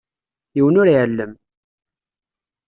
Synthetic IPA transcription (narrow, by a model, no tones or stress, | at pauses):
jiwənʊɾʕəlːəm